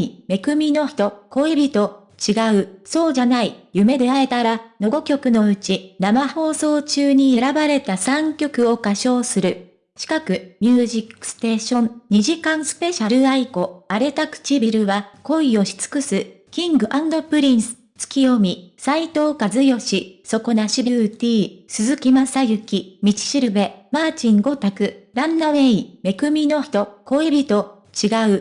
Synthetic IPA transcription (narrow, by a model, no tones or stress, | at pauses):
ime̞kɯ̟mʲino̞çi̥t̪o̞ko̞ibʲit̪o̞ | t͡ɕiɡaɯ̟so̞ːʑanaijɯ̟me̞d̪e̞ae̞t̪aɾano̞ɡo̞kʲo̞kɯ̟no̞ɯ̟t͡ɕinamaho̞ːso̞ːt͡ɕɨːɲ̟ie̞ɾabaɾe̞t̪asãŋkʲo̞kɯ̟o̞kaɕo̞ːsɨɾɯ̟ | ɕi̥kakɯ̟mʲjɨːʑikːɯ̥st̪e̞ːɕõ̞nɲ̟iʑikãɰ̃sɨ̥pe̞ɕaɾɯ̟aiko̞aɾe̞t̪akɯ̥t͡ɕibʲiɾɯ̟βako̞io̞ɕi̥t͡sɨ̥kɯ̟sɨ | kʲĩŋɡɯ̟ʔãnd̪o̞pɯ̟ɾʲĩɰsɨ̥ | t͡sɨ̥kʲijo̞mʲisait̪o̞ːkazɨjo̞ɕiso̞ko̞naɕibʲit̪ʲiːsɨzɨkʲimasajɯ̟kʲimʲit͡ɕi̥ɕiɾɯ̟be̞maːt͡ɕĩŋɡo̞t̪akɯ̟ɾãnːaβe̞ime̞kɯ̟mʲino̞çi̥t̪o̞ko̞ebʲit̪o̞ | t͡ɕiɡaɯ̟